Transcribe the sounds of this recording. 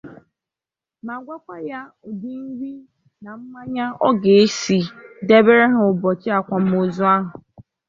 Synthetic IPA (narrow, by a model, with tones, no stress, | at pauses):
ma˨ɡʷa˦kʷa˦ja˦ | ʊ˨di˦ŋ̩˦ɡi˦ | na˨m̩˦ma˦ɲa˦ɔ˦ɡe˨e˦si˨de˦be˦ɾe˦ɦʊ˨bɔ˨t͡ʃɪ˦a˨kʷa˨m̩˦o˦zu˦a˦ɦʊ˨